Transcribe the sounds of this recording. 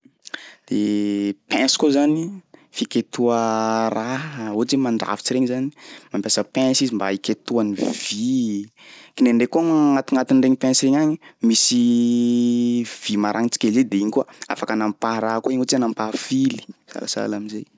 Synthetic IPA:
d̪̥epɛ̃nsi̥kozanifiket̪uəraot͡semaɳɖ͡ʐa̰vi̥t͡siɾeɲizani̥mampʲasəpɛ̃nsizimbaiket̪uanivi | kineɳɖ͡ʐekuaŋŋat̪iŋat̪inɖ͡ʐeɲipɛ̃nsiɾeɲaɲimisi | v̥imaɾʔaŋit͡si̥kʲelized̪eiɲikuaa̰fakanampaɾakueɲot͡sianampafili̥sa̰lasa̰lamizej

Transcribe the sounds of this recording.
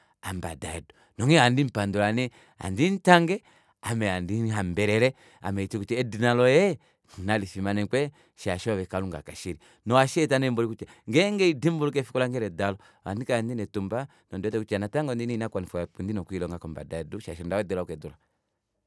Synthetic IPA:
amba̰daɛdu | nɔŋɛandimpandɔlanɛ | a̰ndin̩taŋɡɛ | amɛandinɦambɛɾɛɾɛ | a̰mɛitikut͡ʃɛːdinalɔjɛ | nalifimanɛkwɛ | ʃaʃβɛkaluŋɡa̰kaʃiɾi | nɔaʃɛtanɛimbɔlikut͡ʃɛŋɡɛŋɡɛidimbuɾuk̬ɛfikɔlaŋɡɛɾɛdalɔ | a̰ndikandinɛtumba | nɔndɛtɛkut͡ʃanataŋɡɔndininakanifɔjapundinɔkuilɔŋɡakɔmba̰daɛduʃaʃɔndawɛdɔlakɛdɔla

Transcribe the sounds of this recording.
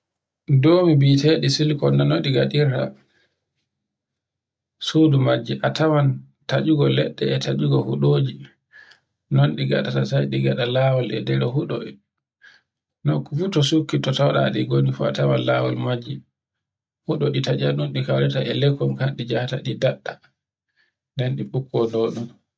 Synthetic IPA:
doːmibiteɗisilkɔnːanoɗiɡaɗiɾta̰ | sudumad͡ʒːiʔatawan | tad͡ʒuɡɔlɛɗːɛːtʰad͡ʒuɡɔhuɗoːd͡ʒi | nɔnɗiɡaɗatasajɗiɡaɗalawɔlɛ̰dɛɾɛɦuɗɔ̰i | nɔkfutɔsukːitɔtawɗa̰ɗiɡonifuatawanlawɔlmad͡ʒːi | huɗɔɗitad͡ʒanɔnɗikawɾɛtaʔɛlɛkːɔmkanɗid͡ʒahtaɗidaɗːa | ndɛnɗiɓukʰːɔnoːɗum

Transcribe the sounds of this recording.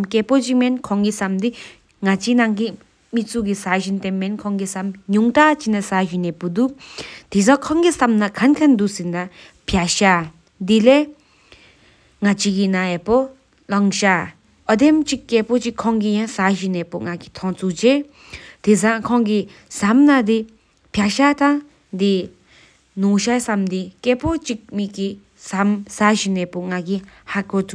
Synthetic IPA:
mkɛpot͡ʃimɛnkʰɔ̃ŋɡisamd̪i | ŋat͡ʃinaŋɡi | mit͡suɡisaʑint̪ɛmːɛnkʰɔ̃ŋɡisamɲuŋt̪at͡ɕinasaʒinɛpud̪ut̪izãkʰɔ̃ŋɡisamnakʰankʰand̪usinda | pʰjaɕa | d̪ile | ŋat͡ɕiɡinaɛpɔ | lɔŋʃa | ɔd̪emt͡ʃikːɛpɔt͡ʃikʰɔ̃ŋɡijãsaʒinɛpɔŋaɡit̪ʰɔ̃t͡sud͡ʒe | d̪̥izãkʰɔ̃ŋɡi | samnad̪i | pʰjaʃat̪ã | d̪i | noʃajsamd̪ikɛpɔt͡ʃik̚miki | samsaʃinɛpɔŋaɡihakɔt̪u

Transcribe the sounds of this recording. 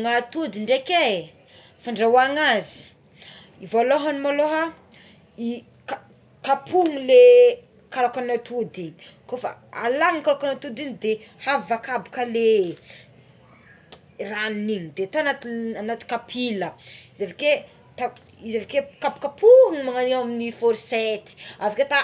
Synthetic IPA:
ŋat̪ud̪iɳɖ͡ʐekʲe | faɳɖ͡ʐawaŋazi̥ | ivaloɦanimaloɦa | i | ka | kapʰuŋile | kalakanat̪ud̪iɲkofa̰alaŋkalakanat̪ud̪iɲid̪ehavakabu̥kəle | ranniɲid̪et̪anat̪anat̪i̥kapʰiləizevike | t̪a | izevikekabu̥kapuŋimaŋaniwaminifoɾset̪i̥aviket̪a

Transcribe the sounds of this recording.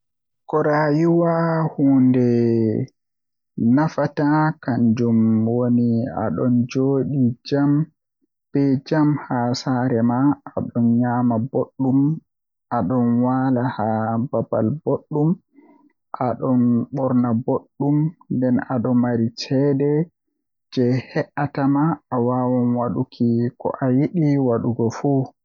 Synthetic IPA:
kɔɾajuwahuːndɛ | nafatakand͡ʒumwonia̰ɗɔnd͡ʒoːɗid͡ʒam | b̥ɛd͡ʒamhasaːɾɛmaːɗɔnɲaːmaboɗːum | ʔaɗɔnwalahababa̰lboɗːum | ʔaɗɔnɓɔɾnaboɗːumndɛnaɗɔmaɾitʰɛdɛ | d͡ʒɛhɛʔatamaːwawɔnwaɗukʰikɔ̰ʔajiɗiwaɗuɡɔfu

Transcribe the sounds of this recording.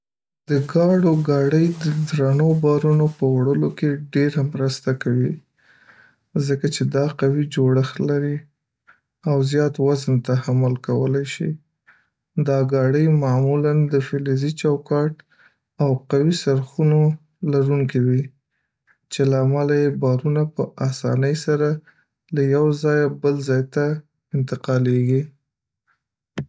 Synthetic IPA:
d̪̥əɡɑɽoɡɑɽəjd̪əd̪ɾanobɑɾunopəwɽəlokeɖeɾamɾəst̪akawi | zəkat͡ʃed̪ɑqawid͡ʒoɽəxlaɾi | awzjɑt̪wazənt̪ahamʊlkawəlajʃḭ | d̪ɑɡɑɽəjmɑmuland̪əfɪlezit͡ʃawkɑʈ | awqawisaɾxuno | laɾuŋkiwi | t͡ʃelaːmalajebɑɾunapəʔasɑ̰nəjsaɾa | lajawzɑjabəlzɑjt̪a | ɪnt̪ɪqɑleɡi

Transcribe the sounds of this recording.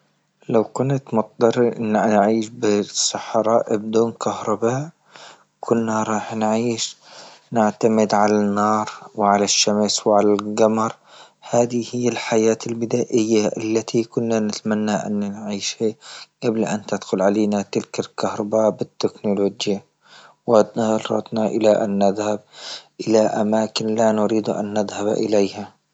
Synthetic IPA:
lawkʊnt̪mʊt̪ˤd̪ɑɾnnʕiːʃbɪsˤɑħɾˤɑːʔb̚d̪uːnkʰahɾˤɑbaːʔ | kʰʊnːaɾˤɑːħnʕiːʃnɪʕt̪amɪd̪ʕalanːɑːɾˤwɪʕalaʃːamswʕalalɡɑmɑɾˤ | haːðihɪjːalħajaːt̪ɪlbɪd̪aːʔɪjːaʔalːat̪ʰikʊnːanɪt̪manːaʔa̰nːnʕiːʃhaɡablaʔant̪ɪd̪xʊlʕaleːnat̪ɪlkalkahɾˤɑbaːʔbɪt̪ːɪknʊloːd͡ʒja | wanɑˤɾɑ̰t̪naʔɪlaʔanːɪðhab̚ʔɪlaʔamaːkɪnlanʊɾiːd̪ʔa̰nːɪðhab̰ʔɪ̰lejha

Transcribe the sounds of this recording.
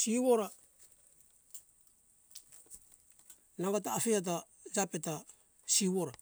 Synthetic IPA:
siβoɾa | naɡataːfeat̬a | d͡ʒapeta | siβoɾa

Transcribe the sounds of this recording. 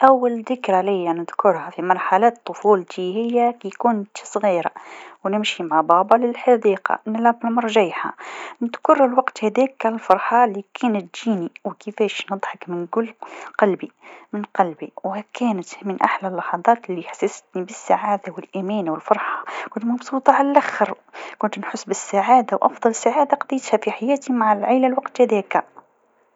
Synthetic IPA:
ʔawːalðɪkɾalijːanɪd̪kʊɾˤhafimɑɾˤħalaːt̪ˤːʊfuːlt̪ihɪjːækkʊnt̪sˤɣiːɾawnɪmʃimaʕabɑːbɑlɪlħɑd̪iːqɑ̰ʔnlæblmɑɾˤʒajħa̰nɪd̪kʊɾˤlwɑqt̪hæd̪iːkːalfɑɾˤħɑlːikʰæːnət̪̚d͡ʒiːniwkəfæːʃnɨd̪ˤħɑkmɪnkʊlːqɑlbimɪnqɑlbiwhkæːnət̪mɪnʔa̰ħlalːɑħɑd̪ˤɑːt̪ɪlːiħḁsːast̪nibɪsːaʕaːd̪awɪlʔamæːnwɪlfɑɾˤħɑ̥kʊnt̪mɑbsˤuːt̪ˤɑʕalalʔaxəɾ | kʊnt̪nħʊsːbɪsːaʕaːd̪awʔɑfðˤɑlɪsːaʕaːd̪aqd̪ijt̪hæfiħajæːt̪imaʕalʕaːlalwɑqt̪hæd̪ɛːka

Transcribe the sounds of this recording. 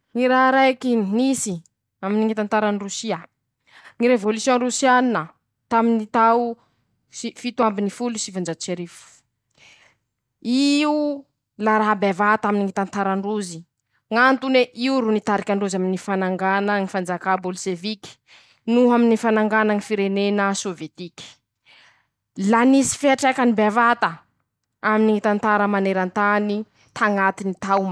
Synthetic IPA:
ŋiɾaɦɾajkinisi | aminiŋit̪ant̪aɾanirusia | ŋiɾevolusjõrusianinə | t̪aminit̪awu | sifit̪uambinifulusivand͡ʒat͡ʃeɾifu̥ | iu | laɾaɦabavat̪aminiŋit̪ant̪aɾaɳɖ͡ʐuzi | ŋant̪uneʔiuɾunit̪aɾikʲaɳɖ͡ʐuzaminifanaŋɡanaŋifand͡zakabolʃevikʲi̥ | nuɦaminifanaŋɡanaŋifiɾenenəsovjet̪ikʲi̥ | lanisi̥feaʈ͡ʂakanibeavat̪ə | aminiŋit̪ant̪aɾəmaneɾant̪ani | t̪ʰaŋat̪init̪am

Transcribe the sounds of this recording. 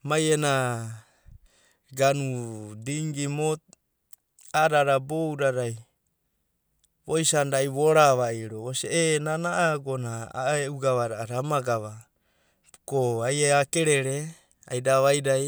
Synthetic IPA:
majena | ɡanudiŋɡimot̪̚ | aɾaɾabowɾaɾaj | βojsandajβoɾaβaiɾooseenanaʔaɡonaa̰euɡaβaɾaaɾamaɡaβa | koajeakeɾeɾe | a̰jdaβajɾaj

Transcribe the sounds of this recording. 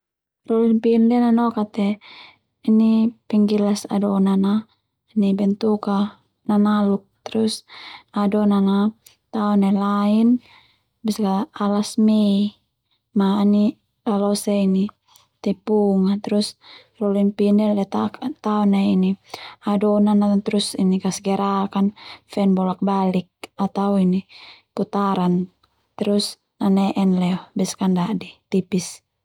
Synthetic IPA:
rɔliŋpindɛnanɔkat̪ɛ | inipɛŋɡilasa̰dɔnana | nibɛnt̪uka | nanaluk̚t̪ɛɾusadɔnana | t̪aɔnelain | biskaːlasmei | maːni | alɔseini | t̪ɛpuŋat̪ɛɾus | rɔliŋpinɛldɛt̪akt̪aɔnainiadɔnanat̪ɾusinikasɡɛɾʔakanfɛnbɔlak̚balik̚at̪awinikut̪aɾan | t̪ɛɾus | nanɛʔɛnlɛɔbɛskandadit̪ipis

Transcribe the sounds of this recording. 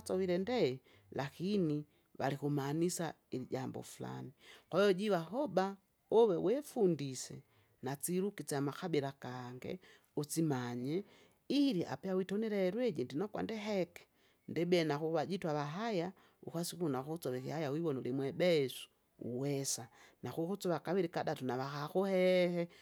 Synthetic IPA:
t͡sɔwiɾɛndɛ | lakini | βa̰likumaːnisa | iliɟambɔ̰fula̰nikwaɔɟiwaɦɔba | ɔwɛwɛfundisɛ̰ | nat͡siɾukit͡samaxabiɾakaŋɡɛ̰ | ut͡simaɲɛ | iɾiʔa̰pɛawitɔnɛɾɛɛɾwɛd͡ʒɛndinɔkwa̰ndɛɦɛkɛ̥ | ndɛbɛɛnaxuβad͡ʒitwaβaɦaja | ṵxasikunakut͡sɔβɛkihajawiβɔnɔlimwɛbɛɛsu̥ | ṵwɛsanaxukut͡sɔβakaβiɾikadatunaβaxaxuhɛhɛ

